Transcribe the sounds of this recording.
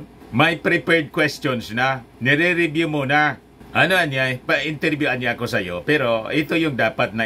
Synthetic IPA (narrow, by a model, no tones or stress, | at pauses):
majpɾɪpɛɹd̪̚kwɛst̪onsnanɪɾɪɾɪbjʊmona | ʔanoanajpaɪnt̪ɛɾbjʊanjakosajo̰pɛɾoʔɪt̪ojʊŋd̪aːpat̪̚na